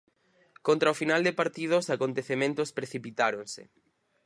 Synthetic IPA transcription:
kont̪ɾaofinald̪ɪpaɾt̪ið̞ʊsakont̪eθemẽnt̪ʊspɾeθipit̪aɾoŋsɪ̰

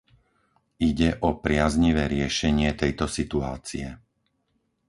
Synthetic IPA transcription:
iɟɛʔɔpɾɪazɲiʋɛːɾɪɛʃɛɲɪɛt̪ɛjt̪ɔsit̪uaːt͡siɛ

